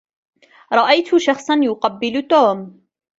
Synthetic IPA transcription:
ɾˤɑʔajt̪ʊʃɑxsˤɑnjʊqɑbːɪlt̪oːm

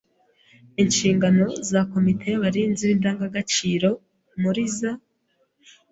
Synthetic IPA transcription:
inʃiːŋɡano̞zako̞mitʰe̞jaβaɾiːnziβindaːŋɡaɡat͡ʃiːɾo̞ | muɾiza

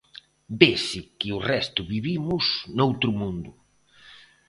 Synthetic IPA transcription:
besɪkɪʊrɛst̪ʊβiβimʊsnowt̪ɾʊmũnd̪ʊ

